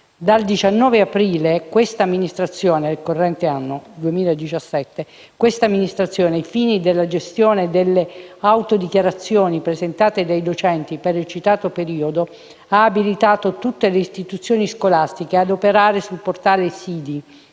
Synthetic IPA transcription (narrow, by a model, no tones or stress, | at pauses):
d̪ald̪it͡ʃanːɔːveapɾiːlekwest̪aːmːinist̪ɾat̪sːjoːnerikorːɛnt̪eanːod̪uemiːlaed̪it͡ʃasːɛt̪ːe | kwest̪amːinist̪ɾat̪sːjɔːneifiːnid̪elːad͡ʒest̪joːned̪elːeawt̪od̪ikjaɾat̪sːjoːnipɾezent̪aːt̪ed̪ajd̪ot͡ʃɛnt̪ipeɾilt͡ʃit̪aːt̪opeɾiːod̪o | aːbilit̪aːt̪ot̪ut̪ːeleist̪it̪ut̪sːjoːniskolast̪ikead̪opeɾaːɾesulport̪aːlesiːd̪i